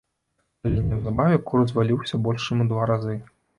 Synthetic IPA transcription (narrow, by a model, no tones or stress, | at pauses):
alʲinʲɛwzabavʲɛkuɾzvalʲiwsʲɐbɔlʲʂt͡ʂɨmud̪vaɾazɨ